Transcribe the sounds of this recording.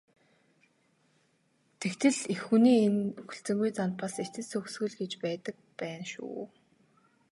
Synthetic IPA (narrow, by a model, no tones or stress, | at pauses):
t̪ʰekt̪ʰɘ̆ɮexxuniːenɵxɵ̆ɬt͡sɘ̆ŋɡujt͡san̚paset̪ɘ̆sɵxsɡɵ̆ɮɡet͡ɕpæːt̪ə̆k̚pæːnʃṵː